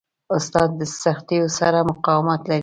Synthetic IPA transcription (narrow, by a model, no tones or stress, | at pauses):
ʊst̪ɑd̪ːəsaxt̪ejosaɾamʊqɑwɪmat̪laɾi